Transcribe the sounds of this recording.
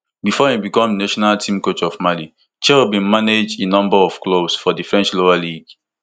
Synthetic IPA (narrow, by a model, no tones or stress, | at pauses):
bifɔhĩbikɔ̃mnaʃɔnaltʰĩmkot͡ʃɔvmali | t͡ʃɛubĩnmaned͡ʒdenɔ̃mbaɔfklobsfɔdifɹɛ̃nt͡ʃloaliɡ